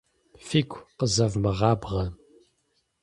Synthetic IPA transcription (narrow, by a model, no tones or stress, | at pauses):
fiːkʷʰʼqəzɐvmɨʁɑːbʁɐ